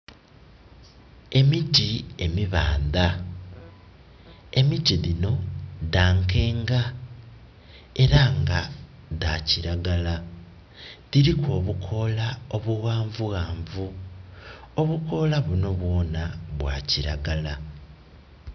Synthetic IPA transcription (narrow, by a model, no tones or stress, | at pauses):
e̞mitie̞miβa̰ːnd̪a | e̞mitiðino̞daːŋke̞ːŋɡa | e̞ɾaŋɡa | daciɾaɡala | ðiɾikʰo̞ːβukʰo̞lao̞βuɣaːɱvuɣaːɱvu | oβuko̞laβuno̞βwo̞ːnaβwa̰ːciɾa̰ɡala